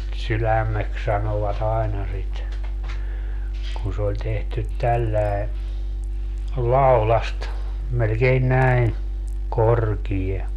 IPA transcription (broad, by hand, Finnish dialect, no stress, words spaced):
sylæmːeks sɑnoʋɑt ɑinɑ sit kun se olʲ tehtyt tælːæe lɑulɑst melkein næin korkie